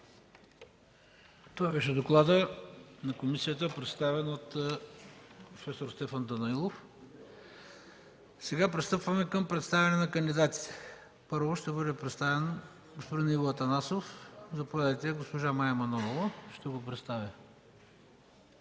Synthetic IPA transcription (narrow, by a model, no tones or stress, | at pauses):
t̪oabɛʃɛd̪oklˠad̪ənɐkomisijət̪əpɾɛt̪st̪avɛnot̪ | pɾofɛsoɾst̪ɛfand̪ɐnɐilˠof | sɛɡapɾɛst̪ɤpvɐmɛkɐmpɾɛt̪st̪avɛnɛnɐkənd̪id̪at̪i̥t̪ɛ̥ | pɤɾvoʃt̪ɛbɤd̪ɛpɾɛt̪st̪avɛn | ɡospod̪inivoɐt̪ɐnasofzɐpovʲad̪əjt̪ɛɡospoʒamajɛmɐnɔvlɐʃt̪ɛɡopɾɛt̪st̪avə